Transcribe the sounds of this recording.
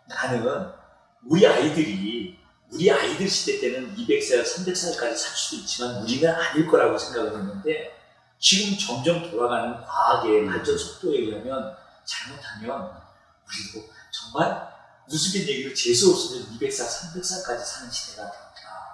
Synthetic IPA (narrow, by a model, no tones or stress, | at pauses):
nanɯɯn | uɾiaidɯɾi | uɾiaidɯɭɕʰi̥t͈e̞t͈e̞nɯnibe̞k̚s͈asʰambe̞k̚s͈aɭk͈ad͡ʑisʰaɭs͈ud̥oit̚t͡ɕ͈imanuɾinɯnaɲiɭk͈ʌɾaɡosʰe̞ŋɡaɡɯɭɦenːɯnde̞ | t͡ɕiɡɯmt͡ɕʌŋd͡ʑʌŋtoɾaɡanɯnkwaːɡe̞maɭt͡ɕ͈ʌnsʰok̚t͈oe̞ɡiɦamjʌn | t͡ɕaɭmotʰamjʌn | kɯɾiɡot͡ɕʌŋman | jusʰuɡinjeɡiɾɯɭt͡ɕe̞sʰuʌp̚s͈ʌdɯnibe̞k̚s͈asʰambe̞k̚s͈ak͈ad͡ʑisʰanɯnɕʰi̥te̞ɡatat͈a